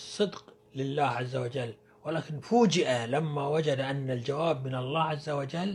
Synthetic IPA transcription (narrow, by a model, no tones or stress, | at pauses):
sˤːɨd̪q | lɪlːaːhʕazːawad͡ʒalː | wɪlaːkɪnfuːd͡ʒɪʔalamːawad͡ʒad̪aʔanːald͡ʒawaːbmɪnɑlˤːaːʕazːawad͡ʒalː